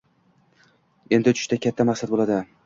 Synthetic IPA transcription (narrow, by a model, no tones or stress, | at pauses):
e̞nd̪ɪt͡ʃ̪ʰʊ̥ʃt̪akʲʰat̪ʰːamaqsat̪̚bolad̪ɪ